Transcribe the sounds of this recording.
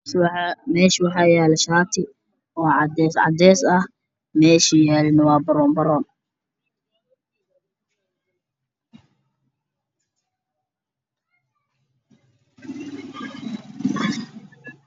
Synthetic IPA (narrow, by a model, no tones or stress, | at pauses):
mɛːʃɪwɑħɑːjaːlɛʃaːt̪ʰɪ | wɑːʕd̪ɛsʕɑ̰d̪ɛːsɐh | mɛːʃɪjaːlɪnɐwɑːbɐɾɔːmbɐɾɔːn